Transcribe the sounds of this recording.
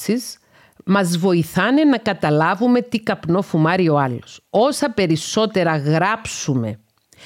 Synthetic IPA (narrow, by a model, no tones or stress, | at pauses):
siz | mɐzvo̞iθɐne̞nɐkɐt̪ɐlɐvume̞t̪ikɐpno̞fumɐɾio̞ɐloso̞sɐpe̞ɾiso̞t̪e̞ɾɐɣɾɐpsume̞